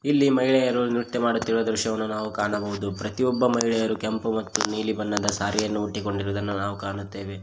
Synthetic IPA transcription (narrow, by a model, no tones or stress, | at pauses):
ilːimɐjɭɛjɐɾunit̪ːemaːɽut̪ːiɭuʋɐd̪ɾuʃɐʋɐnːunaːʋukaːɳɐbɐʋud̪upɾɐt̪iɔbːɐmɐjɭɛjɐɾukempumɐt̪ːuniːlibɐnːɐd̪ɐsaːɾijɐnːuuʈːiko̞ɳɖiɾuʋd̪ɐnːunaːʋukaːɳut̪ːe̞ːʋe̞